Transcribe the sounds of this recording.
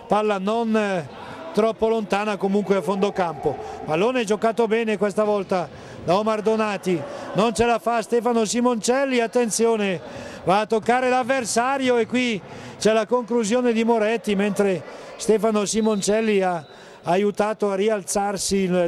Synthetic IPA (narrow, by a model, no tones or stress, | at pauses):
parlanon | t̪ɾɔpːolont̪aːnakomuŋkweafond̪okampopalːoːneɛd͡ʒokaːt̪obɛːnekwest̪avɔlt̪a | laomard̪onaːt̪inont͡ʃelafast̪ɛːfanosimont͡ʃɛlːiat̪ːent̪sjoːnevaːt̪ːokːaːɾelavːersaːɾjoekːwit͡ʃɛlakoŋkluzjoːned̪imoɾɛt̪ːiment̪ɾe | st̪ɛːfanosimont͡ʃɛlːiaː | jut̪aːt̪oarːialt̪sarsi